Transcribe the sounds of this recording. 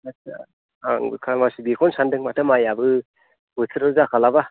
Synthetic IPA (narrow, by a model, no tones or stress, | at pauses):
asa | aŋbɯ̰kʰalmasibikʰɔnsandɯŋmatʰamajabɯ | bɯtʰɯɾɯzakʰalaba